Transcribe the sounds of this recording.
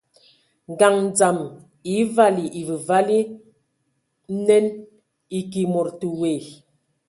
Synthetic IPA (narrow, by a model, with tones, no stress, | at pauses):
ŋ˨ɡa˨ŋ˨d͡za˨m | i˨˦va˦li˨ʔi˨və˨va˦li˦ | nɛ˦n | i˨ki˨mo˨ɾtu˨we˨